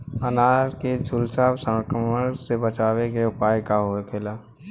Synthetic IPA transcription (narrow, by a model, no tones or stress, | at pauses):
ənaːɾked͡ʒʱʊlsaːbsə̃ŋkɾəməɽsebət͡ʃaːwekeʊpaːjkaɦoekʰeːlaː